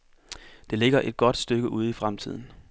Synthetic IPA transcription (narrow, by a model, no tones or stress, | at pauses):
d̥e̝le̝ɡ̥ɐʔe̝d̥̚ɡ̥ɒ̽d̥sd̥øɡ̥əʔuð̞ˠifʁamt͡sʰið̞̰ˠn̩